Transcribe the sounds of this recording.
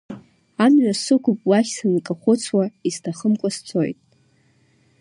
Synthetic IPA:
amɥasɨkʷʰʊpʼwaχʲsɨnkʼaχʷʊt͡sʰwaiztʰaχəmkʷʼast͡sʰo̞jtʼ

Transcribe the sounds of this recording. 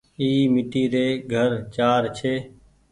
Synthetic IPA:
iːmɪʈiːɾeːɡʱəɾt͡ʃaːɾt͡ʃʰeː

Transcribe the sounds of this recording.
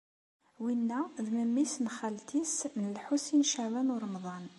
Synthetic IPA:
winːæðməmːisnχælt̪isnəlħusinʃəʕwænʊɾˤmðˤɑn

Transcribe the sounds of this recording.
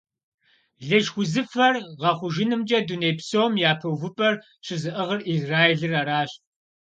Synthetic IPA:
ɮɐʒxʷʊzɨfɐrʁɐχʷʊʒɪnɨmd͡ʒʼɐdunejpsoːmjaːpʰɐwvɨpʼɐr | ɕʰɨzɨʔəʁərizraːjeɮɨraːɾaːɕ

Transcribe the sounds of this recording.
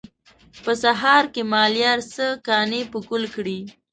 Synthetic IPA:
pəsaɦɑɾkemɑljɑɾsəkɑnepəkulkɽi

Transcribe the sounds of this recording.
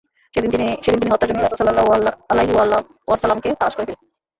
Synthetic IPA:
ʃed̪int̪iniʃed̪int̪iniɦɔt̪ːaɾd͡ʑonːeiɾasosalːalajɦial | asalamket̪aɾaʃkoɾet̪ʰilen

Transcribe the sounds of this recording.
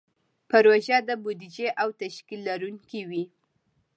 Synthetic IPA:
pəɾwaʒad̪əbud̪id͡ʒeʔawt̪aʃkilːaɾuŋkiwi

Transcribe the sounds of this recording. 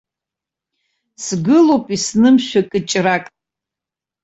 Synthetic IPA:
sɡɨlowpʼisnɨmʃʷᶣakʼɨt͡ʃʼrakʼ

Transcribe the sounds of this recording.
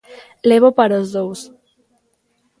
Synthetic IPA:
lɛβopaɾozðows

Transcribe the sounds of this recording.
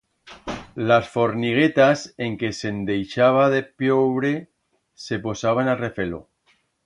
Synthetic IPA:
lasfo̞ɾniɣ̞e̞t̪ase̞ŋke̞se̞nd̪e̞jʃaβ̞aðe̞pjoβɾe̞ | se̞po̞saβanare̞fe̞lo̰

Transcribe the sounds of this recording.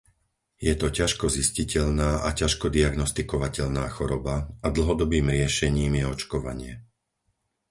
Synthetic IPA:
jɛt̪ɔcaʃkɔziscicɛʎnaːʔacaʃkɔd̪iaɡnɔst̪ikɔʋacɛʎnaːxɔɾɔbaad̪l̩ɦɔd̪ɔbiːmɾɪɛʃɛɲiːmjɛɔt͡ʃkɔʋa̰ɲɪɛ

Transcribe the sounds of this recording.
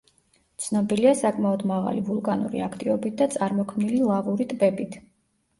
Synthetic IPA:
t̪sʰnɔbiliasakʼmaɔd̪maʁa̰livulˠkʼanṵɾḭakʰt̪ʼivɔbit̪̚ʰd̪at̪sʼaɾmɔkʰmnililˠaʁuɾit̪ʼbɛbit̪ʰ

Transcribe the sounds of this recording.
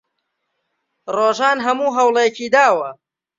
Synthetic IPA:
roːʒaːnɦɐmuːɦɐwlejɐkiːd̪aːwɐ

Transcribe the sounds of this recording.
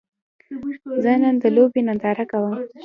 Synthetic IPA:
zənənd̪əlobenand̪ɑɾakawəm

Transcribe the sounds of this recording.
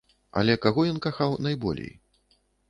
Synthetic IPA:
ɐ̰lʲɛkaɣɔjɔnkaxawnajbɔ̰lʲḛj

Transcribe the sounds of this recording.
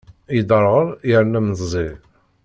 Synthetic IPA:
jəd̪əɾˤʁəɾˤjəɾnæməzzˤi

